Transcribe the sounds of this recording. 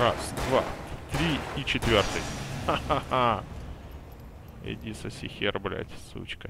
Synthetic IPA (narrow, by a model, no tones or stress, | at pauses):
ɾa̰sd̪va̰t̪ɾʲiit͡ɕɪt̪vʲort̪ɨjaaa | ɪ̰dʲisəsʲɪxʲerblʲa̰t̪ʲsṵt͡ɕkə